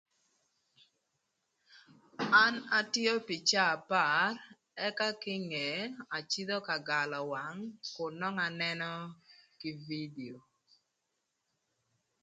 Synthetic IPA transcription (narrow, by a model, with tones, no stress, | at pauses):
a˦na˦tɪ˦ɔ˦pi˨t͡ʃa˦a˨pa˦˨r | ɛ˦ka˦kɪ˦ŋe˨a˨t͡ʃi˦d̪ɔ˦ka˨ɡa˨lɔ˨wa˨ŋkʊ˨nɔ˦ŋa˨nɛ˦nɔ˦ki˨vi˦di˨o˨